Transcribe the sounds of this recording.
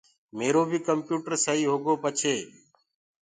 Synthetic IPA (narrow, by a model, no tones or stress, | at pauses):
meːɾoːbʱiːkəmpjuːʈəɾsəɦiːɦoːɡoːpət͡ʃʰeː